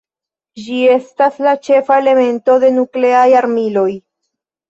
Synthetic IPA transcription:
d͡ʒie̞staslat͡ʃe̞fae̞le̞me̞nto̞d̪e̞nukle̞ajaɾmilo̞j

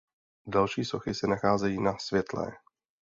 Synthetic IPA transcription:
dalʃiːsoxɪsɛnaxaːzɛjiːnasvjɛt̪lɛ̰ː

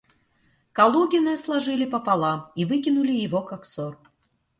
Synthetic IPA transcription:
kɐlˠuɡʲɪnɨɐslˠɐʐɨlʲɪpəpalˠamivɨkʲɪnʊlʲɪjɪvokaksor

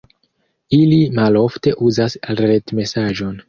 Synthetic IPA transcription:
ilimalo̞fte̞ʔuzasɾetme̞saʒo̞n

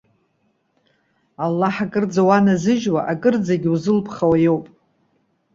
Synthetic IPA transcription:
alːaħakʼɨrd͡zawanazɨʒwa̰ʔakʼɨrd͡zaɡʲuzɨlpʰχawajo̞wpʼ

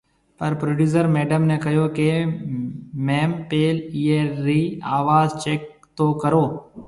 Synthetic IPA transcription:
pəɾpɾoːɖjuːsəɾmeːɖəmneːkəjoːke | mɛ̃ːmpeːliːeɾiːaːʋaːzt͡ʃeːk | t̪oːkəɾoː

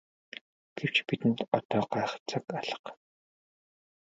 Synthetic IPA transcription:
ɡ̥ew̥t͡ɕpit̪ɘ̆nt̪ɔt̪ɔːɢaːχt͡sʰə̆kaɮə̆q

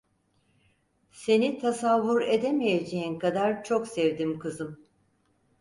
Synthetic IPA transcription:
se̞nit̪ʰasavːuɾed̪e̞mijed͡ʒeinkad̪aɾt͡ʃʰo̞ksɛvd̪imkɯzɯm

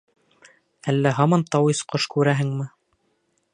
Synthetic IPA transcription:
ælːæɦɑmɑnt̪ɑwisqoʃkʉɾæɦɘŋmɘ

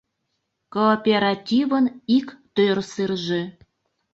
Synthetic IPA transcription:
koːpʲeɾɑtʲivənikt̪ørsɨrʒe

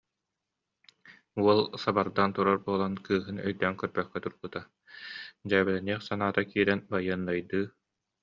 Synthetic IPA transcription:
uɔlˠsabaɾd̪ant̪uɾɔɾbuɔlˠankɯːɦɯnœ̰jd̪œŋkœɾbœχkɛt̪uɾbɯt̪a | d͡ʑaːbɛlɛniɛχsanaːt̪akiːɾɛnbajɯnːajd̪ɯː

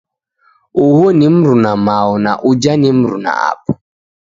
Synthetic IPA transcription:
uhonim̩ɾunamaɔna̰ʔud͡ʒanim̩ɾuna̰a̰pɔ̥

